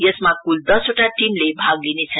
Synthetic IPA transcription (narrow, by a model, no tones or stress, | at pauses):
jəsmãkːuld̪əsoʈʰaʈimlebʱaɡlinet͡sʰə